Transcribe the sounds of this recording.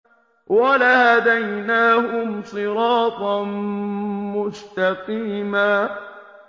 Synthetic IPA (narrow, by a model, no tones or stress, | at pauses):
walahad̪ajnaːhʊmsˤɨɾɑːt̪ˤɑn | mʊʃt̪ɑqiːmaː